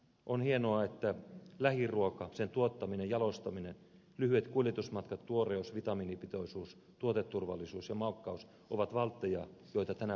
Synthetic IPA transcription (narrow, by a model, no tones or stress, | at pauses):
ʔonhienoɑet̪ːælæhiruokɑsent̪uot̪ːɑminejɑlost̪ɑminen | lyhyet̪kuljet̪usmɑt̪kɑt̪tuoreusʋit̪ɑmiːnipit̪oisuːs | t̪uot̪et̪ːurʋɑ̰lːˑisuːsjɑmɑlkːɑus | ʔoʋɑt̪ʋɑlt̪ːejɑ̰ːjoit̪ɑt̪ænæ